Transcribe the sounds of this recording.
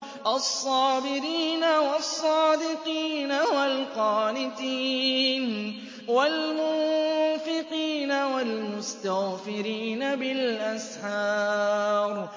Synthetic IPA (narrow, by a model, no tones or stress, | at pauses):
ʔɑsˤːɑːbɪɾiːnawɑsˤːɑːd̪ɪqiːnawalqɑːlɪt̪iːn | walmʊːfɪqiːnawalmʊst̪aɣfɪɾiːnabɪlʔasʕɑːɾˤ